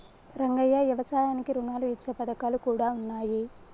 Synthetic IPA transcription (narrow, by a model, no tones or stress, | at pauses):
ɾɐŋɡɐjːɐʋjɐʋɐsaːjaːnikiɾunaːluit͡ʃːɐpɐd̪ɐkaːlukuːɽaːunːaːji